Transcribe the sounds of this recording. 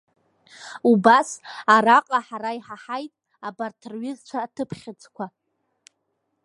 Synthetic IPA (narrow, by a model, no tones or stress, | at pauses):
ubasaɾaqʼaħaɾaiħaħajtʼ | abartʰrɥɪzt͡ʃʷʰaːtʰɨpʰχʲɪt͡sʼkʷʰa